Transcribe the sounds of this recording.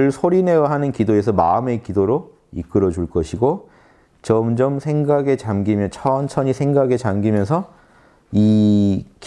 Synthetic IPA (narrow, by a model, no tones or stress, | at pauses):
ɯɭsʰoɾine̞waɦanɯnkidoe̞sʰʌma̰ɯme̞kidoɾo | ḭk͈ɯɾʌd͡ʑuɭk͈ʌɕʰiɡo | t͡ɕʌmd͡ʑʌmsʰeŋɡaɡe̞t͡ɕamɡimjʌnt͡ɕʰʌnt͡ɕʰʌɲisʰe̞ŋɡaɡe̞t͡ɕamɡimjʌnsʰʌ | i | k